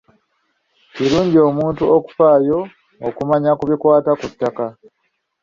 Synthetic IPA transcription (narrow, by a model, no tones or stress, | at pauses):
ciɾuːɲɟio̞ːmuːntuoku̥faːjo̞ː | kumaɲakuβikwaːtakutːaka